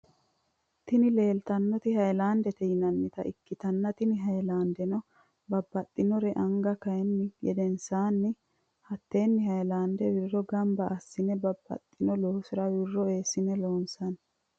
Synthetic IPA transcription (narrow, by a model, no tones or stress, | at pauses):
t̪ɪnɪle̞ːlt̪ɐnːɔt̪ɪhɐjlaːnd̪ɛt̪ɛjɪnɐnːɪt̪ɐ̰ʔɪkːɪt̪ɐnːɐt̪ɪnɪɦɐjlaːnd̪ɛnɔ | bɐbːɐt̪ʼːɪnɔɾɛʔɐŋɡɐkɐjɛnːɪɡɛd̪ɛnsaːnːɪ | hɐt̪ːe̞ːnːɪhɐjlaːnd̪ɛwɪrːɔɡɐmbɐʔːsːɪnɛbɐbːɐ̰t̪ʼːɪnɔlɔːsɪɾɐwɪrːɔe̞ːsɪnɛloːnsɐn